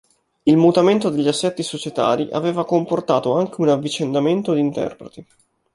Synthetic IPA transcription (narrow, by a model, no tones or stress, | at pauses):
ilmut̪ament̪od̪eʎːiasːɛt̪ːisot͡ʃet̪a̰ːɾiʔa̰veːvakomport̪aːt̪oaŋk̟eunavːit͡ʃend̪ament̪od̪int̪ɛ̰rpɾet̪i